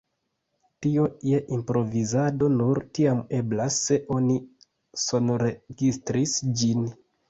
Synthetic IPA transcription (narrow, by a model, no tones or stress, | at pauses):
tio̞je̞ʔimpɾo̞vizado̞nuɾtiame̞blasːe̞ʔo̞ni | so̞nɾeɡistɾisd͡ʒin